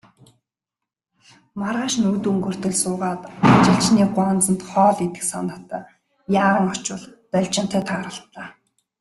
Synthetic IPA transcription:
maɾaːʃnɵkt̪uːŋɡɵr̥t̪ɵ̆ɮsʊːʁaːt̪at͡ɕɪ̆ɬt͡ɕniːɢwaːnt͡sə̆nt̪χɔːɮit̪ɘ̥̆ksa̰nə̆t̪aː | jaːʁə̆ŋɔt͡ɕʊ̆ɮt̪œɮʲt͡ɕɪ̆n̥t̪ʰæːt̪ʰaːɾə̆ɬt̪ɮaː

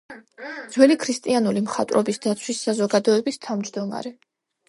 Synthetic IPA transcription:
d̪z̥wɛlikʰɾist̪ʼianulimχat̪ʼɾɔbisd̪at̪sʰwisːazɔɡad̪ɔɛbist̪ʰavmd͡ʒd̪ɔma̰ɾɛ

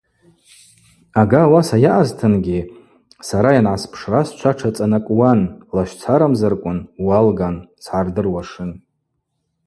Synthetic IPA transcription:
aɡaːwasajaʔaztʰɨnɡʲi | saɾajanʕaspʰʂrast͡ʃʷʰaʈ͡ʂʰat͡sʼanakʷʼwanlaʃʷt͡sʰaɾamzarkʷʼʊnwalɡant͡sʰħardɨrwaʂɨn

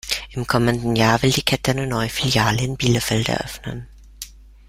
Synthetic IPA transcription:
ʔɪmkʰɔməndn̩jaːvɪldiːkʰɛtəaɪnənɔʏəfiljaːləɪnbiːləfɛldɛ̰ɐʔœfnə̰n

